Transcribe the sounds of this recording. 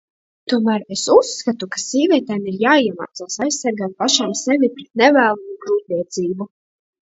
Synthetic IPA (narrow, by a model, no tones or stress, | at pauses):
t̪uɔmæːɾesusːkat̪ukḁsʲiːvʲiɛt̪ɛːmiɾjaːiɛma̰ːt̪saːsajssːaɾɡaːt̪̚paʃaːmsɛvʲipɾɛt̪̚nɛvæːlˠuɡɾuːt̪ʲiɛt̪ziːbu